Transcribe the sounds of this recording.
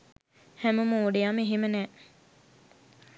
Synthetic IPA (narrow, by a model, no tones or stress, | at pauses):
hæmumuːɖijameɦimənɛː